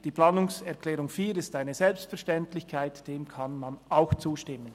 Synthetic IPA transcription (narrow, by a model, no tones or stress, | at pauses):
d̥iːplaːnʊŋsɛɐʁkʰlɛːɾʊŋfiːɾɪstaɪnəzɛlpstfɛɐʃtɛntlɪçkʰaɪtd̥eːmkʰanmanaʊxt͡suːʃtɪmən